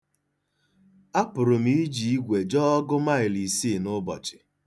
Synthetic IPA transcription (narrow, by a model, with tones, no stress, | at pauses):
a˦pʊ˨ɾʊ˨m̩i˦d͡ʒi˨i˦ɡʷe˨d͡ʒɔ˦ɔ˦ɡʊ˦ma˦ɪ˨li˨si˦˨nʊ˦bɔ̰˨t͡ʃɪ̥˨